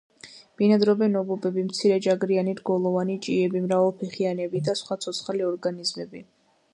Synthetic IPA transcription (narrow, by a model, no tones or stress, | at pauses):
b̥inad̪ɾɔbɛnɔbɔbɛbimt̪sʰiɾɛd͡ʒaɡɾianiɾɡɔlˠɔvanit͡ʃʼiɛbimɾavɛlˠpʰiχianɛbid̪asχwat̪sʰɔt̪sʰχaliɔɾɡanizmɛbi